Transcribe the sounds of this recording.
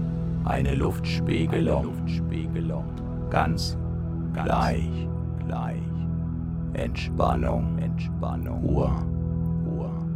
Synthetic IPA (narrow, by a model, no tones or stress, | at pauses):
ʔa̰ɪnəlʊftʃpiːɡəlʊʊftʃpiːɡəlʊŋ | ɡ̥a̰nt͡s | ɡ̥laɪç | ɡ̥la̰ɪç | ʔɛ̰ntʃpa̰nʊ̰ŋɛntʃpa̰nʊ̰uːɐ | uːɐ